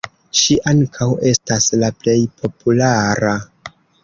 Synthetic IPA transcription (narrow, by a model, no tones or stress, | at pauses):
ʃiʔaŋkʰawe̞staslaple̞jpʰo̞pʰulaɾa